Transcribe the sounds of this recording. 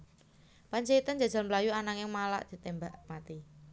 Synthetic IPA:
paɲt͡ʃait̪and͡ʒa̤̥d͡ʒ̥a̤lməlajuanaŋɪŋmala̰ʔd̪̥i̤t̪embaʔmat̪i

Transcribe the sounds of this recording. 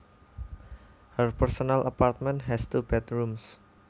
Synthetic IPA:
hərpɛrsɔnalʔapart̪̚mɛ̃ntɦɛst̪ubɛt̪ɹums

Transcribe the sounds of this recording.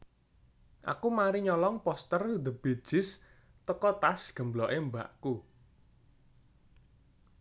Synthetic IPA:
ʔa̰kumaɾiɲɔlɔŋpɔst̪ərd̪ə̤b̥e̤d̥ʒ̥ɪ̤s | t̪əkɔt̪asɡ̥ə̤mblɔʔemba̰ʔku

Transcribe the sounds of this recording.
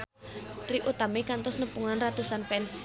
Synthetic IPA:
riʔut̪amekant̪ɔsnəpuŋanrad̪̥ṳsanpɛns

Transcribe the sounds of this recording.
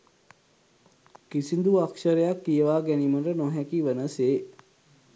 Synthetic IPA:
kisind̪uakʃəɾəjakːijəʋaːɡɛnimənɾənɔɦɛkiʋənəseː

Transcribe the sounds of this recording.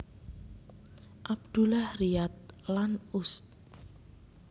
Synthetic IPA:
ʔab̚d̪̥ṳlahriat̪̚lanʊst̪

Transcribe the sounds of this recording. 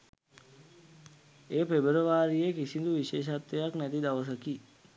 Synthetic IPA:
eːpebəɾəʋaːɾijekisind̪uʋiʃeːʃ̬at̪ːejaknæt̪id̪aʋəs̬əki

